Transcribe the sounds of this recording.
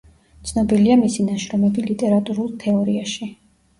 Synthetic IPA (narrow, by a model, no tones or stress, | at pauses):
t̪sʰnɔbiliamisinaʃɾɔmɛbilit̪ʼɛɾat̪ʼuɾulˠt̪ʰɛɔɾiaʃi